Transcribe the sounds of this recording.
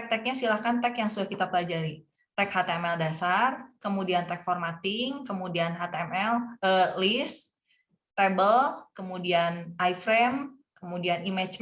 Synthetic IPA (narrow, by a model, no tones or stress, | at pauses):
k̚t̪ɛk̚ɲasilakant̪ɛkjaŋsudahkit̪apəlad͡ʒaɾi | t̪ɛkhat̪eɛmɛldasarkəmudiant̪ɛk̚fɔrmat̪ɪŋkəmudianɦat̪eɛmɛləlis | t̪ɛbəlkəmudianʔajfɾɛm | kəmudianimɛt͡ʃ